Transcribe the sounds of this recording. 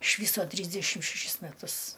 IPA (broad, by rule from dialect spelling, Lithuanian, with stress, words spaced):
ɪʃ ˈʋʲiːsoː ˈtʲrʲiːzʲdʲɛʃʲɪm ʃʲɛˈʃʲɪs mʲɛˈtʊs